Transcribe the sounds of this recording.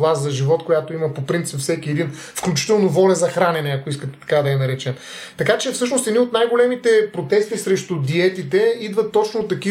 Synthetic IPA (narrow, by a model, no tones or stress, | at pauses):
lˠaszɐʒivɔt̪kojat̪oimɐpopɾint̪sipfsɛkiɛd̪in | fklʲut͡ʃi̥t̪ɛlˠnovɔlʲɛzɐxɾanɛnɛɐkoiskət̪ɛ̥t̪ɐ̥kad̪ɐɛnɐɾɛt͡ʃɛn | t̪ɐkat͡ʃɛfsɤʃ̬nost̪ɛd̪niot̪najɡolɛmit̪ɛpɾot̪ɛst̪isɾɛʃt̪ʊd̪iɛt̪it̪ɛid̪vɐt̪ːɔt͡ʃnoːt̪ːɐki